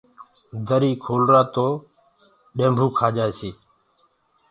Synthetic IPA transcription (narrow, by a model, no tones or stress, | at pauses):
d̪ʱəɾiːkʰoːlɾaːt̪oː | ɗẽːmbʱuːkʰaːd͡ʒaːsiː